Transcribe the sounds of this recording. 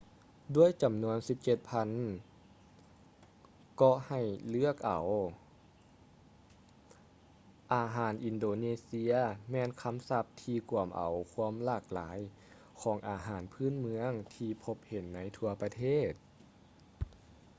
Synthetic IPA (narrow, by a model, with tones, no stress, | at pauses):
du˧˥˩əjt͡ɕa˨˩˦mnu˧˥ənsi˧˦p̚t͡ɕe˧˩t̪̚pʰa˧˥n | kɔ˧ha˧˩jlɯ˥˩ək̚ʔa̰˨˩w | ʔaː˧ɦaː˩˦nʔi˧˨ndoː˧neː˧si˧ɐmɛː˧nkʰa˧˥˨msa˧˥p̚t̪ʰiː˧ku˨˩əmʔa̰˨˩wkʰu˧˥əmlaː˧˩k̚laː˩˦j | kʰɔː˩˦ŋʔaː˨˩ɦaː˩˦npʰɯː˧˥˨nmɯ˧˥əŋt̪ʰiː˧pʰo˧˥p̚he˨˦nːa˧˥jt̪ʰu˧ɐpa˧t̪ʰeː˥˩t̪̚